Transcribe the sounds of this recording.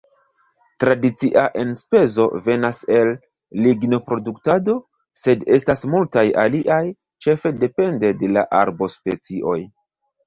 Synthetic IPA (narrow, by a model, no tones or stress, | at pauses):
tɾadit͡siʔaʔe̞nspe̞zo̞̰ve̞nase̞lː | iɡno̞pɾo̞duktado̞ | se̞de̞stasmultaja̰liʔaj | t͡ʃe̞fe̞de̞pe̞nde̞de̞la̰ʔaɾbo̞spe̞t͡siʔo̞̰j